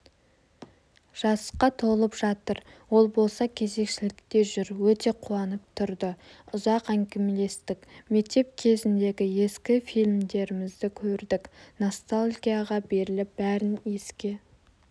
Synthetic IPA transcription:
ʒ̥ɑsqɑt̪ʰo̞lˠəpʒ̥ɑt̪əɾwo̞lˠbo̞lˠsɑkʲʰe̞ze̞kʃɪlɪk̚t̪e̞ʒʏɾwɵt̪e̞qʰuɑnəp̚t̪ʰʊɾd̪əʊzɑqæŋkʲɪmle̞st̪ɪkme̞k̚t̪e̞p̚kʲʰe̞zɪnd̪e̞ɡʲɪje̞skʲɪfijlʲmd̪e̞ɾɪmɪzd̪ɪkʲʰɵɾd̪ɪkno̞st̪alʲˠɡʲijaʁɑbe̞ɾɪlɪp̚bæɾɪnje̞skʲe̞

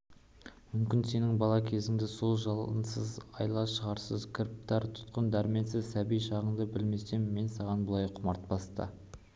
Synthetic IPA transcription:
mʏmkʲɪnse̞nɪŋbɑlˠɑkʲʰe̞zɪŋd̪ɪso̞lˠʒɑlˠə̰nsəzɑjlˠɑʃəʁɑɾsəzkʲʰɪɾp̚t̪ɑɾt̪ʰʊ̥t̪qənd̪æɾme̞nsɪzsæbijʃɑʁəɴd̪əbɪlme̞se̞mːe̞nsɑʁɑnbʊlˠɑjqʰʊmɑɾt̪̚bɑst̪ə̰

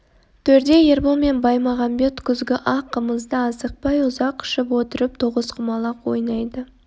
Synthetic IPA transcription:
t̪ʰɵɾd̪e̞jeɾbome̞nbɑjmɑʁɑmbe̞t̪kʲʰʏzɡʲɪʔɑqəməzd̪əɑsəq̚pɑjʊzɑqːɪ̥ʃɪpwot̪əɾɪp̚t̪ʰoʁəzqʰəmɑlˠɑqwo̰jnɑjd̪ə

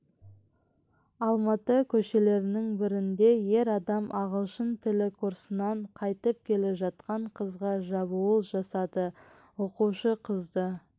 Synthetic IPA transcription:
ɑlˠmɑt̪əkʲʰɵʃe̞le̞ɾɪnɪŋbɪɾɪnd̪e̞je̞ɾɑd̪ɑmʔɑʁəlˠʃənt̪ʰɪlɪkʰuɾsənɑɴqʰɑjt̪əp̚kʲʰe̞leʒɑt̪̚qɑɴqʰəzʁɑʒɑbuəlˠʒɑsɑd̪ə | woquʃəqʰəzd̪ə

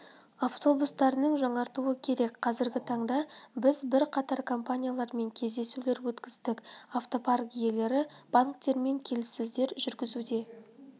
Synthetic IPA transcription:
aft̪o̞bust̪ɑɾənəɴʒɑɴɑɾt̪uəkʲʰe̞ɾe̞kqʰɑzɪɾɡʲɪt̪ʰɑɴd̪ɑbɪzbɪɾqʰɑt̪ɑɾkʰo̞mpanʲijalˠɑɾme̞ŋkʲʰe̞zd̪e̞sule̞ɾwɵt̪kʲɪzd̪ɪkaft̪o̞pʰarɡʲije̞le̞ɾɪb̥aŋkt̪e̞ɾme̞ŋkʲʰe̞lɪsːɵzd̪e̞ɾʒʏɾɡʲɪzud̪e̞

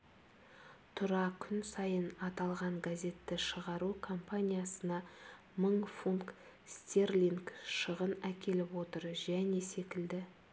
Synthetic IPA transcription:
t̪ʰʊɾɑkʲʰʏnsɑjənɑt̪ɑlˠʁɑɴɡazʲe̞t̪ːɪʃəʁɑɾukʰo̞mpanʲijasənɑ | məŋfuŋk | st̪erliŋkʃəʁənækʲʰe̞lɪpwo̞t̪əɾʒæne̞se̞kʲɪld̪ɪ

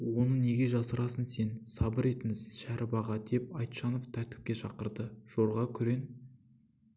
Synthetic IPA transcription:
wo̞nəne̞ɡʲe̞ʒɑsəɾɑsənse̞nsɑbəɾe̞t̪ɪŋɪzʃæɾʔɪbɑʁɑd̪e̞p̚ɑjt̪ʃɑnoft̪ʰæɾt̪ɪ̥p̚kʲe̞ʃɑqəɾd̪əʒ̥o̞ɾʁɑkʲʰʏɾe̞n

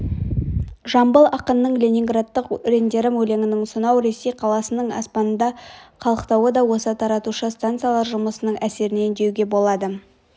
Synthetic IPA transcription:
ʒɑmbəlˠɑqənːəɴlʲenʲiŋɡrat̪ːəqɾe̞nd̪e̞ɾɪmɵle̞ŋɪnɪŋsʊnɑwɾe̞sːejqʰɑlˠɑsənəɴɑ̰spɑnənd̪ɑqʰɑlˠəqt̪ɑwəd̪ɑwo̞sət̪ʰɑɾɑt̪uʃəst̪ant̪sɨjalˠɑɾʒʊməsənəɴæse̞ɾɪne̞ɪnd̪e̞wɡʲe̞bo̞lˠɑd̪ə

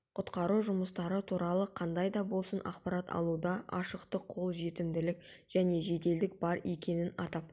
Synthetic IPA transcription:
qʰʊt̪qɑɾuʒʊməst̪ɑɾət̪ʰuɾɑlˠəqʰɑnd̪ɑjd̪ɑbo̞lˠsənɑ̰qpɑɾɑt̪ɑ̰lˠud̪ɑɑʃəqt̪əqʰo̞lˠʒe̞t̪ɪmd̪ɪlɪk̚ | ʒ̥æne̞ʒe̞t̪e̞ld̪ɪk̚bɑɾe̞kʲe̞nɪnɑt̪ɑp̚

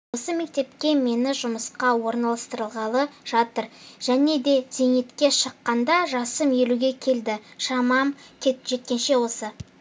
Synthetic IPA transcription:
wosəme̞k̚t̪e̞pkʲe̞me̞nɪʒʊməsqɑwo̞ɾnɑlˠɑst̪əɾəlˠʁɑlˠəʒ̥ɑt̪əɾʒ̥æne̞d̪e̞ze̞ŋet̪kʲe̞ʃəqːɑnd̪ɑʒɑsəmje̞luɡʲe̞kʲʰe̞ld̪ɪʃɑmɑmkʲʰeʒ̥e̞t̪̚kʲe̞nʃe̞wo̞sə

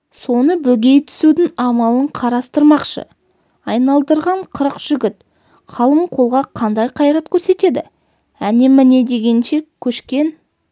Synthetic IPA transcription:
so̞nəbɵɡʲe̞jt̪ʰʏ̥sud̪ɪŋɑmɑlˠəɴqʰɑɾɑst̪əɾmɑqʃə̰ | ɑjnɑlˠd̪əɾʁɑɴqʰəɾəqʒ̥ʏɡʲɪt̪ | qʰɑlˠəmqʰo̞lˠʁɑqʰɑnd̪ɑjqʰɑjɾɑt̪kʲʰɵɾse̞t̪e̞d̪ɪ | æne̞mɪne̞d̪e̞ɡʲe̞nʃe̞kʲʰɵʃkʲe̞n

